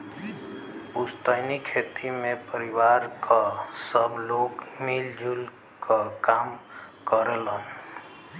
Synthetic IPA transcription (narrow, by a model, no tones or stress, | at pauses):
pust̪əɪnikʰet̪imepəɾiwaɾkʰasəbʱlokmild͡ʒʱul | kʰəkamkəɾlən